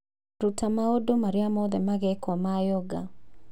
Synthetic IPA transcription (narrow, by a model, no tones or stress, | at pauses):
ɾutamaodomaɾɪamɔðɛmaɣɛkwamajɔɡa̰